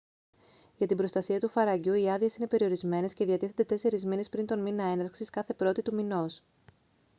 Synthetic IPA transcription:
ʝɐt̪ibɾo̞st̪ɐsiɐt̪ufɐɾɐɟuiɐðie̞sine̞pe̞ɾio̞ɾizme̞ne̞sce̞ðiɐt̪iθend̪e̞t̪e̞se̞ɾizmine̞spɾint̪o̞nminɐe̞nɐɾksiskɐθe̞pɾo̞t̪it̪umino̞s

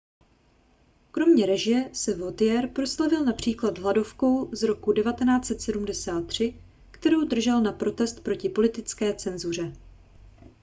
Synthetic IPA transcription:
kɾo̞mɲɛɾɛʒɪjɛsɛvot̪ɪjɛɾpɾo̞slavɪlnapr̝̥iːklad̪ɦlado̞fko̞wzɾo̞kudɛvat̪ɛnaːt͡sɛt̪sɛdumdɛsaːt̪̚ːr̝̥ɪ | kt̪ɛɾo̞wdr̩ʒɛlnapɾo̞t̪ɛst̪̚pɾo̞cɪpo̞lɪt̪ɪt͡skɛːt͡sɛnzur̝ɛ

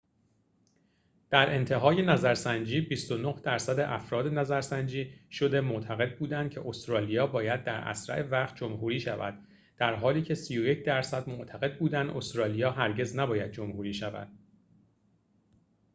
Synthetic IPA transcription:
d̪̥æɾʔe̞nt̪ʰeɦɒːje̞næzæɾsænd͡ʒiːbist̪o̞nohd̪̥æɾsæd̪e̞ʔæfɾɒːd̪e̞næzæɾsænd͡ʒiːʃo̞d̪e̞mot̪ʰæɣe̞d̪̚buːd̪ænd̪̥̚cʰe̞ʔost̪ɾɒːlijɒːbɒːjæd̪ːæɾæ̰sɾæ̰ʔe̞væχt̪̚ʰd͡ʒomɦuːɾiːʃævæ̰d̪̥ | d̥̪æɾɦɒːliːcʰe̞siːjoje̞cʰd̪æɾsæd̪moʔt̪ʰæɣe̞d̪̚buːd̪ænd̪ʔo̞st̪ɾɒːlijɒːɦæɾɟe̞znæbɒːjæd̪̚d͡ʒomhuːɾiːʃævæ̰d̪̥̚

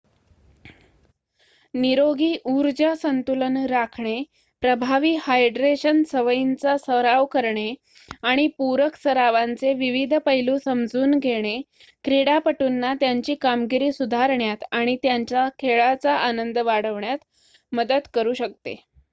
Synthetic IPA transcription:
niɾoɡiːʔuɾd͡ʑəsənt̪ulənɾakʰɳe | pɾəbʱaʋiːhajɖɾeɕənsəʋəjint͡sasəɾaʋkəɾɳe | aɽ̃ipuɾəksəɾaʋant͡seʋiʋid̪ʱpəɦiluːsəmd͡zuːnɡʱeɽ̃e | kɾeɽapəʈuːnːat̪jaɲt͡ɕiːkamɡiɾiːsud̪ʱaɾɳjat̪aɽ̃it̪jaɲt͡ɕakʰeɭat͡saʔanənd̪əʋaɽ̤əʋɳjat̪ | məd̪əd̪kəɾuːɕək̚t̪ḛ

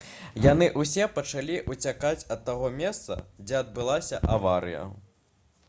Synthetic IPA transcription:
janɨʔusʲɛpɐt͡ʂalʲiʔut͡sʲakat͡sʲɐt̪ːaɣɔmʲɛst̪sɐ̰d͡zʲɛɐd̪̚bɨlˠasʲɐʔavaɾɨ̰jɐ̰

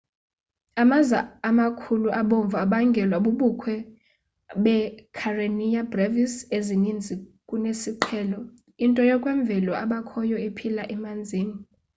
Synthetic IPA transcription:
amazaːmakʰuluʔaɓoɱvʱaɓaŋɡʱɛlwaɓuɓukʰwɛ | ɓɛkʰarenijabrevisezinind͡zʱikʼunesiǃʰɛːlɔ | intʼɔjɔkʼwɛɱb̪vʱɛlɔaɓakʰɔjɔepʰilaʔɛmand͡zʱiːni

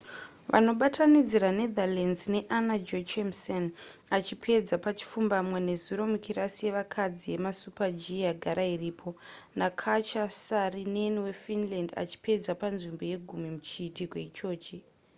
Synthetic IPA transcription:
ʋa̰no̞ɓatʰanid͡ziɾane̞d̪alanzne̞ʔanad͡ʒot͡ʃemsen | at͡ʃipʰe̞d͡zapat͡ʃi̥fumbamwene̞zuɾo̞mukiɾasie̞ʋakʰad͡zie̞masupad͡ʒijaɡʱaɾairiːpʰo̞ | nakʰat͡ʃasarineniwe̞finlanda̰t͡ʃi̥pe̞d͡zapanʐimbo̞je̞ɡʱumimut͡ʃiːtikwe̞t͡ʃo̞ːt͡ʃe

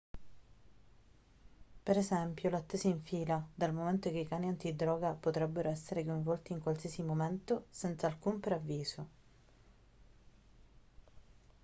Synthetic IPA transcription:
peɾezɛmpjolat̪ːeːsaiɱfiːlad̪almoment̪okeikaːniant̪id̪ɾɔːɡapot̪ɾɛbːeɾʔoɛsːeɾekojɱvɔlt̪iːŋkwalsiasimomɛnt̪osɛnt̪saːlkumpɾeavːiːzo

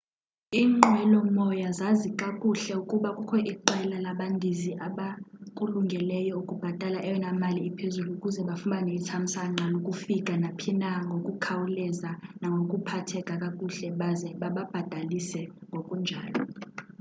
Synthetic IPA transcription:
iːŋ͡ǃʱɛlɔmɔjazazikʼakʼuɬɛukʼuɓakʼukʰɔʔiǃɛlalaɓandʱiziʔaɓakʼuluŋɡʱɛlɛjɔukʼub̥ʱad̥ʼalaʔɛjɔnamaliːpʰezuluːkʼuzɛɓafumbʱanetʰam̩saŋ͡ǁʱalokʼufikʼanapʰinaŋɡʱokʼukʰawulɛzanaŋɡʱokʼupʰatʰɛkʼakʼakʼuɬɛɓazɛɓaɓab̥ʱad̥ʱalisɛŋɡʱokʼund͡ʒʱaːlɔ

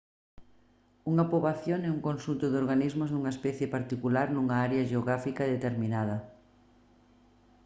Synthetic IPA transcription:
uŋɐpoβaθjoŋɛuŋkonsunt̪ʊðoɾɣanizmʊzðuŋɐespɛθjepaɾt̪ikulaɾnuŋɐaɾeɐʒeoɣɾafikɐðet̪eɾminað̞ɐ

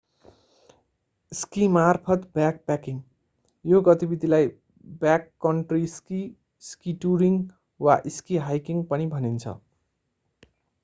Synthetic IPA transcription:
skimarpʰʌt̪bjak̚pakiŋ | joɡʌt̪ibid̪ʱilaj | bjakːʌɳʈriski | skiʈuɾiŋ | waʔiskiɦajkiŋpʌnibʱʌnint͡sʰʌ̰

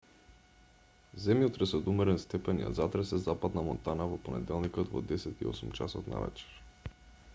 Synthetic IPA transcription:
zɛmjot̪ɾɛsɔd̪umɛɾɛnst̪ɛpɛnja̰zat̪ɾɛsɛzapad̪namɔnt̪anavɔponɛ̰d̪ɛlˠnikɔt̪vɔ̰d̪ɛsɛt̪iɔ̰sumt͡ʃasɔt̪na̰vɛ̰t͡ʃɛ̥ɾ

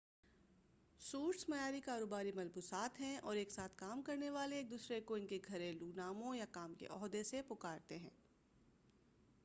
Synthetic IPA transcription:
suːɾʈsmɐjaːɾikaːɾoːbaːɾimɐlbusaːt̪ɦɛ̃ɔːɾeːksaːt̪ʰkaːmkɐɾneʋaːleeːk̚d̪uːsɾekoɪnkeɡʱɐɾẽluːnaːmõjakaːmkḛʔɔːɦd̪esepʊkaːɾt̪eɦɛ̰̃ː

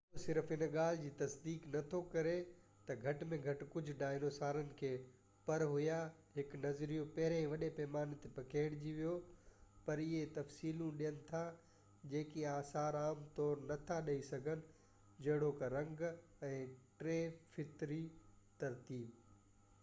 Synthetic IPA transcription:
osɪɾfɦɪn̆ɠaːl̤ɪd͡ʑiːt̪ɐsd̪iːknɐt̪ʰokɐɾe | t̪ɐɡʱɐʈmẽɡʱɐʈkʊd͡ʑʱʊ̆ɖaːɪnoːsaːɾənɪ̆kʰeː | pɐɾɦʊjaɦɪknɐzɾijũpɐɦɪɾẽʋɐɗepɛːmaːnt̪epɐkeːɽd͡ʑiʋijopɐɾɪɦet̪ɐfsiːlũɗijənɪ̆t̪ʰa | d͡ʑeːkiaːsaːɾaːmt̪ɔːɾnɐt̪ʰaɗɐisɐɡʱənɪ̆ | d͡ʑɐɦɪɽokɐɾɐ̃ŋɡ | ɛ̃ːʈɾeːfɪt̪ɾit̪ɐɾt̪iːb

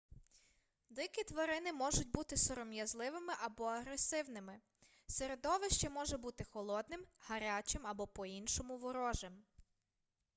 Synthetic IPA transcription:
d̪ɪkʲit̪ʋɐɾɪnɪmɔʒʊtʲbut̪ɪsɔɾɔmjɐzlˠɪʋɪmɪʔɐbɔɐɦɾesɪwnɪmɪ | seɾed̪ɔʋɪʃt͡ʃɛmɔʒɛbut̪ɪxɔlˠɔd̪̚nɪmhɐɾʲat͡ʃɪmɐbɔpɔinʃɔmʊʋʊɾɔʒɛm

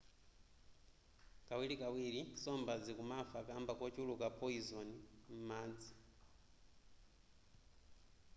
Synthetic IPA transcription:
kawilikawiɺisɔmbad͡zikumafakambakɔt͡ʃulukapʼɔizɔnim̩maːd͡zi

